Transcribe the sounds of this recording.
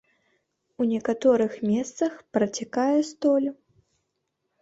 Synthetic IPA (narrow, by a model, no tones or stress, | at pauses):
unʲɛkat̪ɔɾɨxmʲɛst̪sɐxpɾɐt͡sʲakajɛst̪ɔlʲ